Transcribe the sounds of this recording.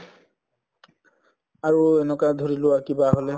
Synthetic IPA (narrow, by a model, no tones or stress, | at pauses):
aɹuɛnɛkadʱoɹilʊwakibaɦolɛ